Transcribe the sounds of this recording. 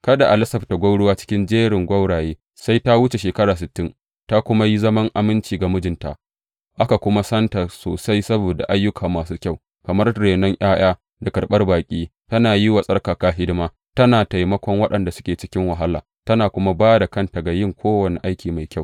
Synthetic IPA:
kɐ˦da˨ʔa˨lɪ˦sɐ˨bta˨ɡʷa˦wɽʊ˦waː˦t͡ʃɪ̥˦kʲɪ˦nd͡ʒeː˦ɽɪ˨ŋɡʷɐ˦wɽaː˨jeː˦ | sa˦jta˦wʊ˦t͡ʃe˨ʃeː˨kɐ˦ɽaː˨s̬ɪ˨tːɪ˦n | ta˦kʷʊ˦ma˦ji˦zɐ˦mɐ˦ŋʔa˨mɪ˦nt͡ʃiː˨ɡa˨mʊ˦d͡ʒɪ˨nta̰˨ | ʔa˦ka˨kʷʊ˦ma˦sɐ˦nta˨so̰ː˨sa˦jsɐ˦boː˨da̰˨ʔa˦jːʊ˦kʰaː˨maː˨suː˦kʲa˦˨w | kɐ˨mɐ˦rɽeː˨nɔ˦ŋʔaː˦j̰aː˦ | da˨kʼɐ˨rɓɐ˦rbaː˨kʲʼiː˦tɐ˦naː˨ji˦wa˨sʼɐ˦rkaː˨kaː˦ɦɪ˦dɪ˦maː˦ | tɐ˦naː˨ta˨jmɐ˦kʷɔ˦ŋwɐ˦ɗɐ˨nda˨sʊ˦kʲeː˨t͡ʃɪ˦kʲɪ˦ŋwɐ˨ɦa˦la̰ː˨ | tɐ˦naː˨kʷʊ˦ma˦baː˦da˨kɐ˦nta˨ɡa˨jɪ˦ŋkʷʰoː˦wɐ˨ni˨ʔa˦jkʲiː˨ma˨jkʲa˦˨w

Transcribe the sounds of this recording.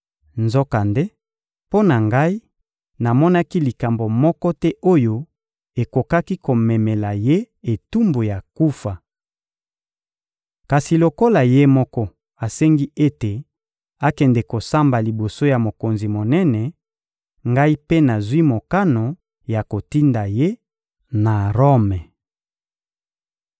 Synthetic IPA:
nzɔ˦ka˨nde˦ | po˦na˨ŋɡa˦i˦ | na˨mɔ˦na˦ki˦li˨ka˨mbo˨mɔ˦kɔ˦tɛ˦ʔo˦jo˦ | e˨ko˨ka˦ki˦ko˨mɛ˨mɛ˨la˨je˦ | e˨tu˦mbo˨ja˨ku˦fa˨ | ka˨si˨lo˨ko˦la˨je˦mɔ˦kɔ˦ | a˨sɛ˦ŋɡi˦e˦te˨ | a˦kɛ˨ndɛ˨ko˨sa˦mba˨li˨bo˨so˦ja˨mo˨ko˨nzi˨mo˨nɛ˦nɛ˨ | ŋɡa˦i˦pe˦na˨zwi˦mo˨ka˦no˨ | ja˨ko˨ti˦nda˨je˦ | na˨ʁo˦mɛ˨

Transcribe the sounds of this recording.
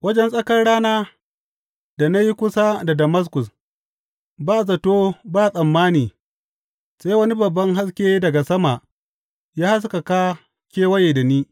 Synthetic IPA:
wɐ˦d͡ʒɛ˦nsʼɐ˦kɐ˦rɽaː˦naː˦ | da˨na˦ji˦kʷʊ˦sa˦da˨dɐ˨mɐ˦s̬kʊ˨s | baː˦˨s̬ɐ˨toː˦baː˦˨sʼɐ˨mːaː˦niː˨ | seː˦jwɐ˦ni˦bɐ˨bːɐ˦ŋɦa˦skʲeː˦dɐ˨ɡa˨sɐ˦ma˨ʔ | jaː˦ha˦s̬ka˨kaː˦ | kʲeː˦wɐ˦jeː˨da˨niː˦

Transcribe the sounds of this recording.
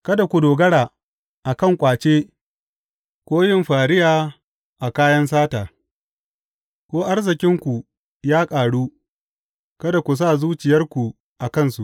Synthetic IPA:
kɐ˦da˨kʷu˨doː˨ɡɐ˦ɽaː˨ | ʔa˨kɐ˦˨ŋkʷʼaː˨t͡ʃeː˦ | kʷoː˦jɪ˦mɸaː˨ɽɪ˦jaː˨ | ʔa˨kaː˦jɐ˦ns̬aː˦taː˨ | kʷoː˦ʔa˦rzɪ˨kʲɪ˦ŋkʷu˨ | jaː˦kʼaː˨ɽuː˦ | kɐ˦da˨kʷu˨s̬aː˦˨zuː˦t͡ʃɪ˨jɐ˦rkʷu˨ | ʔa˨kɐ˦˨nsu˨

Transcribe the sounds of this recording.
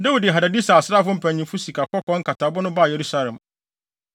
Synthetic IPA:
da˦wu˨dɪ˨ɛ˨ɦa˨da˨di˦sa˨sɾa˦fʊ˦m̩˦pʰæ̃˨ɲĩ˨fu˦si˨kʰa˨kɔ˦kɔ̃˨˦ŋ̩˦kʰa˨ta˨˦bʊ˦nʊ̃˦ba˦˨je˨ɾu˦sa˦lɛ̃˨m

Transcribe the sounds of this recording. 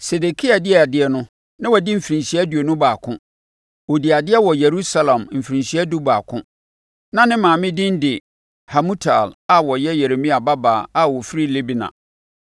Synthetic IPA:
se˨de˨kʰi˦a˨dɪ˦ɛ˨dɪ˦ɛ˦nʊ̃˦ | nã˦wɔ˨dɪ˦m̩˨fi˨ɾĩ˨nsi˨ɛ˦du˨o˨nʊ̃˦baː˨kʰʊ̰̃˦ | o˨di˨a˨dɪ˦ɛ˦wɔ˨je˨ɾu˦sa˦lã˨mm̩˨fi˨ɾĩ˨nɕi˨˦ɛ˦du˦ba̰ː˨kʰʊ̃˦ | nã˦nɪ̃˦mãː˨mɪ̃˦dɪ̃˦n˦dɪ˨ | ha˨mũ˦tʰa̰˨la˨wɔ˨jɛ˦jɛ˨ɾe˨mĩ˦a˨ba˦baː˨a˨wɔ˨fɾi˦le˦bi˨nã̰˨

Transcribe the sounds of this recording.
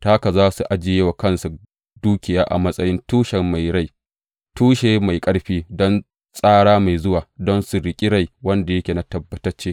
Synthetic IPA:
taː˦ka˨zaː˦su˨ʔa˦d͡ʒɪ˨jeː˦wa˨kɐ˦nsu˨ | duː˦kʲɪ˨jaː˦ʔa̰˨mɐ˦sʼɐ˦jɪ˦ntuː˦ʃɛ˨mma˨jɽa˦j | tuː˦ʃeː˨ma˨jkʼɐ˦ɽɸiː˦dɔ˦n | sʼaː˦ɽaː˦ma˨jzʊ˦waː˨dɔ˦nsu˨ɽɪ˨kʲʼi˦ɽa˦jwɐ˦nda˨jɐ˦kʲeː˨na˦tɐ˨bːɐ˨˦tɐ˦t͡ʃːeː˦

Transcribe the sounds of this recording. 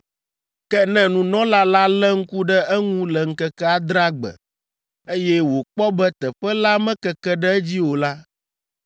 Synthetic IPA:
kɛ˦nɛ̃˦nũ˨nɔ̃˦la˦la˦lɛ˦ŋ̩˦ku˦ɖɛ˦ɛ˦ŋũ˦lɛ˨ŋ̩˨kɛ˦kɛ˦a˦d̪ɾa˦ɡ͡bɛ̰˨ | e˦jɛ˦wo˨k͡pɔ˦bɛ˦t̪ɛ˨ɸɛ˦la˦mɛ̃˦kɛ˨kɛ˦ɖɛ˦ɛ˦d͡ʑi˦wo˨la˦

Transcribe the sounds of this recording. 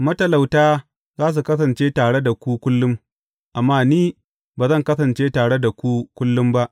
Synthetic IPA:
mɐ˦tɐ˨la˨wtaː˦ | zaː˦s̬u˨kɐ˦s̬ɐ˨nt͡ʃeː˦taː˨ɽe˦da˨kʷu˦kʷʊ˦lːʊ˦m | ʔa˨mːaː˦˨niː˦ | baː˨zɐ˦˨ŋkɐ˦sɐ˨nt͡ʃeː˦taː˨ɽe˦da˨kʷu˦kʷʊ˦lːʊ˦mba˦ʔ

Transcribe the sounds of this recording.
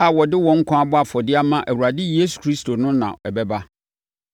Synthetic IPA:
a˨wɔ˨dɪ˦wɔ̃˨ŋ̩˦kʷʰã˦a˦bʊ˦a˨fɔ˨dɪ˦a˦mã˦ʔæ˨wu˨ɾa˨dɪ˦je˦su̥˨kʰɾi˦stʰo˨nʊ̃˦nã̰˨ɛ˨bɛ˦ba˦

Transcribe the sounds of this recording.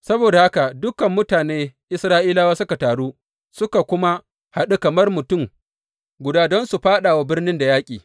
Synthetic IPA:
sɐ˦boː˨da˨ha˦ka˨dʊ˦kɐ˨mːʊ˦taː˨neː˦ʔɪ˦sɾaː˦ʔiː˦laː˦waː˦sʊ˦ka˨taː˨ɽuː˦ | sʊ˦ka˨kʷʊ˦ma˦ | ha˨ɗu˦kɐ˨mɐ˦rmʊ˨tʊ˦˨m | ɡʷʊ˨daː˦dɔ˦nsu˨ɸaː˦ɗa˨wa˦bɪ˦rnɪ˦nda˨jaː˦kʲʼiː˨

